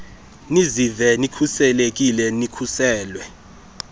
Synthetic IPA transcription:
nizivɛnikʰusɛlek̬ʼilɛnikʰusɛːlwɛ

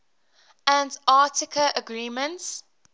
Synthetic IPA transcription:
ə̃ndɑːˑtɪkʰəʔəɡɹiːmə̃nts

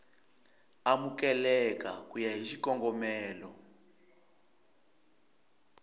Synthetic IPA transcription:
amukɛlɛka̰kujaɦiʃikɔŋɡɔmɛːlɔ

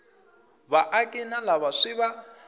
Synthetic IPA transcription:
βaʔakʼinalaβaʂiβa

